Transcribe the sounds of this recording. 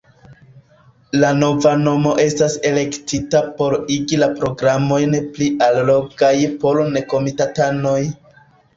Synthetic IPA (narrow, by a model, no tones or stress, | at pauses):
lano̞vano̞mo̞ʔe̞stase̞le̞ktitapo̞ɾiɡilapɾo̞ɡɾamo̞jnpliʔallo̞ɡajpo̞lneko̞mitatano̞j